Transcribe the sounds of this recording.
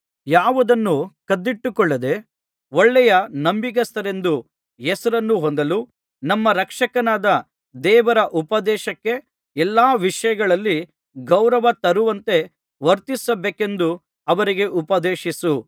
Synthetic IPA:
jaːʋud̪ɐnːukɐd̪ːiʈːukɔɭːɐd̪e̞ | ɔɭːɛjɐnɐmbik̬ɐst̪ʰɐɾe̞nd̪u | ɛsɐɾɐnːuɦond̪ɐlu | nɐmːɐɾɐkʂɐkɐnaːd̪ɐ | d̪ɛːʋɐɾɐʔupɐd̪ɛːʃɐkːe̞ | ɛlːaːʋiʂɐjɐɡɐɭɐlːi | ɡɐwɾɐʋɐt̪ɐɾuʋɐnt̪e̞ | ʋɐɾt̪isɐbeːke̞nd̪u | ɐʋɐɾiɡe̞ʔupɐd̪eːʃisu

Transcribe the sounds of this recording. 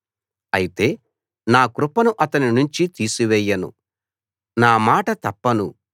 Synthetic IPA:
ɐjit̪e̞ː | naːkɾupɐnuʔɐt̪ɐninuɲt͡ʃit̪iːsuʋɛːjːɐnṵ | naːmaːʈɐt̪ɐpːɐnu

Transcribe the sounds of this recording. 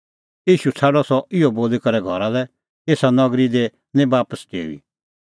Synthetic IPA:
jiːʃut͡sʰaːɽɔsɔɪoboːlekɐɾɛɡʱɔɾalɛ | eːsanɐɡɾid̪e | nẽbaːpəskḛːʋḭ

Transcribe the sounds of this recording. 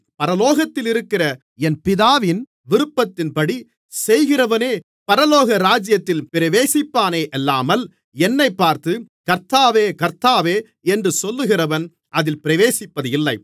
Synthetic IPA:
pɐɾɐloːɣɐt̪ːɪlɪɾɯkːɪrɐ | ɛnpɪðaːʋɪn | ʋɪɾɯpːɐt̪ːɪnpɐɽi | sɛjɣɪrɐʋɐneː | pɐɾɐloːɣɐɾaːd͡ʒɪjɐt̪ːɪlpɪɾɐʋeːsɪpːaːneːʔɛlːaːmɐl | ɛnːɐɪpːaːɾt̪ɯkɐɾt̪aːʋeːkɐɾt̪aːʋeː | ɛndrɯsɔlːɯɣɪrɐʋɐn | ʔɐðɪlpɪɾɐʋeːsɪpːɐðɯɪlːɐɪ

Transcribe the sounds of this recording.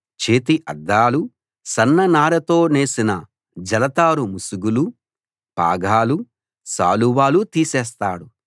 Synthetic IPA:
t͡ʃe̞ːt̪̬iʔɐd̪ːaːlu | sɐnːɐnaːɾɐt̪o̞ːne̞ːsinɐ | d͡ʒɐlɐt̪aːɾumusuɡulu | pa̰ːɡʱaːlu | sa̰ːluwaːlut̪iːsɛːst̪aːɽu

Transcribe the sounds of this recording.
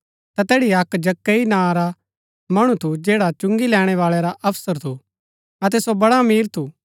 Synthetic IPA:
t̪at̪ɛːɽiɐkd͡ʒɐkːeinãːɾa | mɐɽ̃ũt̪ʰud͡ʒeːɽat͡ʃʊ̃ŋɡilɛːɽ̃ɛʋaːɭeɾaʔɐpʰsəɾt̪ʰu | ɐt̪̬ɛsobɐɽamiːɾt̪ʰu

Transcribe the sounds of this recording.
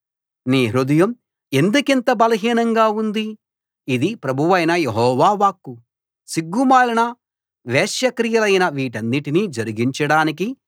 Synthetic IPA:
niːɾud̪ɐjɐm | e̞nd̪ukent̪ɐbɐlɐɦiːnɐŋɡaːund̪i | id̪ipɾɐbʱuʋɐjnɐjeɦɔːʋaːʋaːkːu | siɡːumaːlinɐ | ʋeːʃjɐkɾijɐlɐjnɐʋiːʈɐnːiʈiniːd͡ʒɐɾiɡiɲt͡ʃɐɽaːniki

